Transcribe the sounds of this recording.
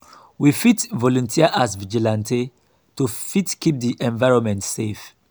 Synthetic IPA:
wifitvɔlɔ̃ntʰiaʔasvid͡ʒilãntʰe | tufitkip̚diʔɛ̃ɱvaɪɹɔ̃nmɛ̃ntsef

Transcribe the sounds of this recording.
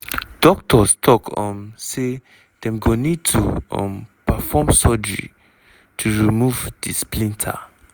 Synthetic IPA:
d̥ɔk̚tʰɔstʰɔkɔ̰̃mse | d̥ɛ̃mɡõnid̚tʰuɔ̰̃mpafɔmsɔd͡ʒɹḭ | tʰuɹimuvd̥isplĩntʰa̰

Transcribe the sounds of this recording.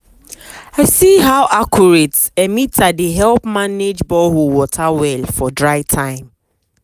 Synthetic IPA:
aɪsiɦawʔakʰuɹetɛmitadeɦɛlpmaned͡ʒbɔɦuwɔtʰawɛlfɔdɹaɪtʰãɪ̃m

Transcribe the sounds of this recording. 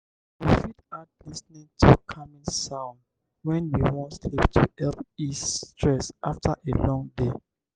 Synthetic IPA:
wifidad̚lisnĩŋtʰukʰamĩsãʊ̃n | wɛ̃nwiwɔ̃ntsliptʰṵɛlpistʰɹɛsʔaftʰəʔelɔ̃ŋde

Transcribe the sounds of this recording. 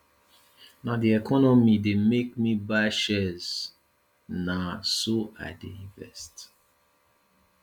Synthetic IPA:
naʊdiɛkʰɔnɔmidemek̚mibaʃɛz̥ | nasoʔa̰dḛĩɱvɛ̰st

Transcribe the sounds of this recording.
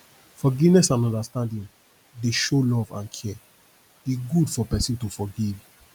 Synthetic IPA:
fɔɡivnɛsãnɔ̃ndastãndĩn | deʃolɔvã̰nkʰɛ | biɡudfɔpɛsĩntufɔɡiv

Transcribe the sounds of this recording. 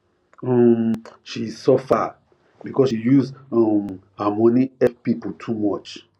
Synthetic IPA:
ɔmʃisɔfa | bikɔsʃijuzɔmhamɔniɛpipoltʰumɔt͡ʃ

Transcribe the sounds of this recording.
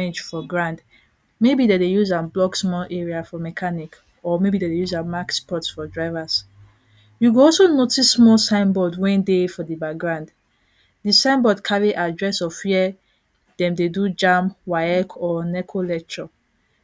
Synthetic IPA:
ed͡ʒfɔɡɹãnd | mebidedejuzãnblɔɡsmɔlɛɹiafɔmɛkʰanik | ɔmebidedejuzãmakspʰɔtsfɔdɹaɪvas | juɡɔlsonotisːmɔlsãɪ̃nbɔdwɛ̃ndefɔdibakɡɹãnd | disãɪ̃nbɔdkʰaɹiʔadɹɛsɔfiɛ | d̥ɛ̃mdedud͡ʒãmwaɪɛkʰɔnɛkʰolɛk̚tʰɹɔ

